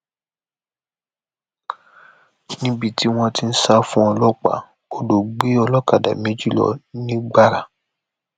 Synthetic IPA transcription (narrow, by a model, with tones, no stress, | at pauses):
nĩ˦bi˧ti˦w̃ɔ̃˧ti˦n̩˦sa˦fũ˦ɔ˧lɔ˦k͡pa̰˨ | o˨do˨ɡ͡be˦ɔ˧lɔ˦ka˨da̰˨mẽ˨˦d͡ʒi˦˨lɔ̰˨nĩ˦ɡ͡ba˦˨ɾa˨